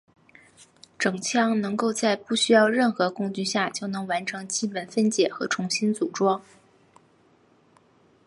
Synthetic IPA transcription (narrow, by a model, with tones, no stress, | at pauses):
ʈ͡ʂɤ˨˩ŋt͡ɕʰjɑ˥˩ŋnɤ˧˥ŋko˥˧ʊt͡sa˥˧ɪpu˥˩ɕy˥jɑ˥˧ʊɻə˥˩nxɤ˧˥kʊ˥˧ŋt͡ɕy˥˧ɕja˥˩t͡ɕjo˥˩ʊnɤ˧˥ŋwa˧˥nʈ͡ʂʰɤ˧˥ŋt͡ɕi˥pə˨˩nfə˥nt͡ɕjɛ˨˩xɤ˧˥ʈ͡ʂʰʊ˧˥ŋɕi˥nt͡su˨˩ʈ͡ʂwɑ˥ŋ